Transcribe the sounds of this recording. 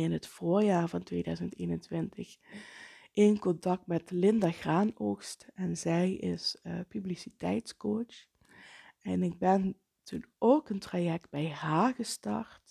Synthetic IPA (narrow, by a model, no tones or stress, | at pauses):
ɪnɦətfoːɹjaːɹvɑntʋeːdœɥzənteːnəntʋɪntəx | ʔɪnkɔntɑk̚tmɛtlɪndaɣraːnoːxstɛnzɛjɪ̰spyblisitɛ̰jtskot͡ʃ | ɛnɪɡ̚bɛn | tʰunoːkəntrajɛk̚t̚bɛjɦaːɹɣəstɑ̰ɹt